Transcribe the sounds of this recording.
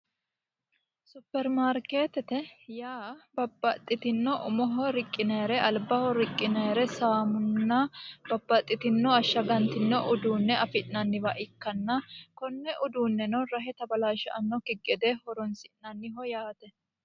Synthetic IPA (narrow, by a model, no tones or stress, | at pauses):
sʊpːɛɾmaːɾke̞ːt̪ɛt̪ɛjaːbɐbːɐt̪ʼːɪt̪ɪnːɔʔʊmɔɦɔɾɪkʼːɪnɐjɾɛɐlbɐhɔɾɪkʼːɪnɐjɾɛsaːmʊnːɐb̥ɐbːɐt̪ʼːɪt̪ɪnːɔɐʃːɐɡɐnt̪ɪnːɔʔʊd̪uːnːɛɐfɪʔnɐnːɪvɐʔɪkːɐnːɐkɔnːɛʔʊd̪uːnːɛnɔɾɐɦɛt̪ɐbɐlaːʃɐʔɐnːɔkɪɡɛd̪ehɔɾɔnsɪʔnɐnːɪɦɔjaːt̪ɛ